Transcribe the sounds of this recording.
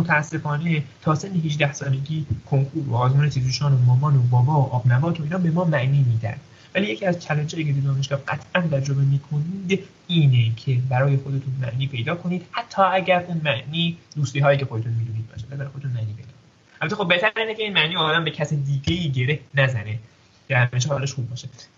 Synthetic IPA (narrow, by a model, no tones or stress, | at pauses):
mot̪ʰæːsːe̞fɒːne̞t̪ʰɒːsenːeɦid͡ʒd̪æhsɒːne̞ɡʲiːkʰo̞ŋkʰuːɾo̰ɒːzmuːnet̪ʰizuːʃɒːnomɒːbɒːnobɒːbɒːoʔɒːbnæbɒːt̪ʰoiːnɒːbe̞mɒːmæʔniːmiːd̪æ̰d̪̥ | væliːje̞cʰiːæzt͡ʃʰælænd͡ʒɑːjiːcʰeb̪ed̪ɒːneʃɡɒːhɡæt̪ʰʔænt̪ʰæɾd͡ʒobemiːkʰo̞niːd̪ | iːnecʰe̞bæɾɒːje̞xo̞d̪e̞t̪ʰunmæʔniːpʰe̞jd̪ɒːkʰo̞niːd̪hæt̪ʰːɒːæɟʲæɾʔuːnmæʔniːd̪uːst̪iːɦɒːjiːcʰeo̞d̪et̪ʰunmiːd̪uːniːd̪̚bɒ̰ːʃed̪vælibæɾjod̪eunmæʔniːpʰejd̪ɒ̰ː | ʔælbæt̪ʰːexobeht̪ʰæɾɾiːnecʰeiːnmæʔniːɒːd̪æmbe̞cʰæsed̪iːɟeiːɟe̞ɾehnæzæne | ɡeɾæeʃ̬eleʃxuːb̚ːɒːʃe